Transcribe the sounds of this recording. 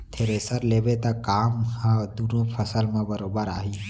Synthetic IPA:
t̪ʰeɾesəɾlebet̪akaːmɦə̃d̪unõpʰəsəlmebəɾobəɾaːɦi

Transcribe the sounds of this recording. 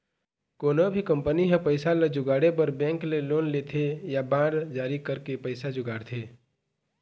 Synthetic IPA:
koːnobʱikə̃mpəniɦɛ̃pəɪsald͡ʒʊɡaːɽep̬əɾbɛ̃ːŋkleloːnleːt̪ʰejabãːɽd͡ʒaːɾikəɾkepəɪsad͡ʒʊɡaːɽt̪ʰeː

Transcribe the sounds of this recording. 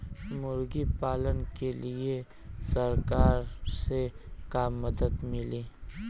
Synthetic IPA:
mʊɾɡipaːlənkelie | sɐɾkaːɾsekaːmːəd̪əd̪mɪliː

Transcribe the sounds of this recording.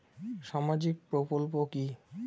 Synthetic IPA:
ʃamad͡ʑik̚pɾokolpoki

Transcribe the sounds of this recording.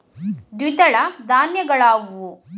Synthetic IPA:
d̪wid̪ɐɭɐd̪ʱaːnjɐɡɐɭaːɡuʋu

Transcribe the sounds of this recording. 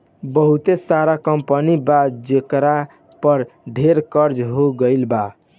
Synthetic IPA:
bəɦut̪esaɾakəmpənibad͡ʒekɾa | pəɾɖʱeɾkəɾd͡ʒɦoɡəɪlba

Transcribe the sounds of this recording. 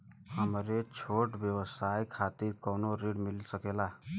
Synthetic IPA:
həmɾet͡ʃʰoʈbjəwəsajkʰat̪iɾkənoɾiɽmilsəkela

